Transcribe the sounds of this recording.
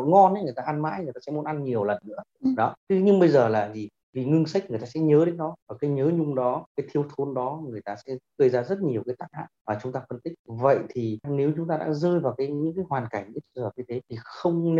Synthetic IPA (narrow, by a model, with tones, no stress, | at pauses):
ŋɔ˧nʔjŋɨ˨˩əjt̪aː˧ʔa˧nma̰ː˧˥jŋɨ˨˩t̪aː˧sɛ̰˧˥mu˨˦nʔa˧nɲi˨˩əwlə˨˩nːɨ̰˧˥əɗɔ˨˦t̪ʰɨ˨˦ɲɨ˧ŋɓə˧jzəː˨˩laː˨˩zi˨˩ | vi˨˩ŋɨ˧ŋsa˦˥k̟̚ŋɨ˨˩əjt̪aː˧sɛ̰˧˥ɲəː˨˦ɗe˨˦nɗɔ˨˦vaː˨˩kaː˨˦jɲəː˨˦ɲʊ˧ŋ͡mɗɔ˨˦kaː˨˦jt̪ʰi˧əwt̪ʰo˧˦nɗɔ˨˦ŋɨ˨˩əjt̪aː˧sɛ̰˧˥kəː˧jzaː˧zə˦˥t̚ɲi˨˩əwkaː˨˦jt̪aː˦˥k̚ha̰ː˧˨˩vaː˨˩t͡ɕʊ˨˦ŋ͡mt̪aː˧fə˧nt̪ï˦˥k̚və̰˧˨jt̪ʰi˨˩ne˨˦wt͡ɕʊ˨˦ŋ͡mt̪aː˧ɗa̰ː˧˥zəː˧jvaː˨˩wkaː˨˦jɲɨ̰˧˥ŋkaː˨˦jɦwaː˨˩nka˨˩ŋɲɨ̰˧˥t͡ɕ̪i˧zəː˨˩ɲɨ˧t̪ʰe˨˦t̪ʰi˨˩xə˧wŋ͡mn˧